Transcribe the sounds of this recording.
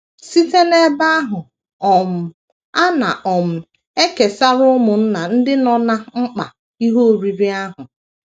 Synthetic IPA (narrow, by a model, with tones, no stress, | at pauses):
si˦te˦ne˦ba˦a˦ɦʊ˨ | ɔ˨m̩˨ | a˦na̰˨ʔɔ˨m̩˨ | e˦ke˨sa˦ɾʊ˦mʊ˨n̩˦na˨n̩˦dɪ˦nɔ˦na˦ŋ͡m̩˦k͡pa̰˨ | i˦ɦo˦˨ɾi˨bi˦a˦ɦʊ˨